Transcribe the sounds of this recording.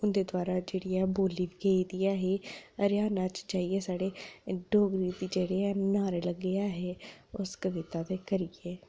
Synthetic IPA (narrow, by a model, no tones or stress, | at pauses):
ʊnd̪eːd̪waːɾaːd͡ʒeːɽijaːboːliːʋɡeːid̪ijaːɦeːəɾjaːnaːt͡ʃt͡ʃaːieːsaːɽeːɖʱoːɡɾiːd̪iːd͡ʒeːɽeːanaːɾeləɡeaːɦeːʊskəʋɪt̪aːt̪eːkəɾiɡeː